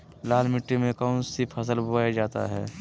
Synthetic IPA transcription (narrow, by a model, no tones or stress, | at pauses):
laːlmɪʈːimẽkəʊnsipʰəs̬əlbʱʊwaːjad͡ʒaːt̪a̰ɦɛ̰ː